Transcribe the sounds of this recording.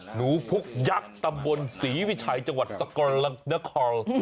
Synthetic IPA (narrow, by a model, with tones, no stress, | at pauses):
nuː˩˦pʰu˦˥k̚ja˦˥k̚t̪a˧mbo˧nsiː˩˦wi˦˥t͡ɕʰaː˧jt͡ɕa˧ŋwa˨˩t̪̚sa˧kɔ˧nla˧˦na˦˥kʰɔː˧l